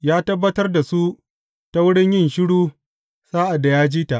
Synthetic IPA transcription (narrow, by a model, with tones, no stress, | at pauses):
jaː˦tɐ˦bːɐ˦tɐ˦rda˨su˦ | ta˦wʊ˦ɽɪ˦ɲjɪ˦˨nʃɪ˦ɽuː˦ | saː˦ʔa˨da˨jaː˦d͡ʒiː˦ta˨ʔ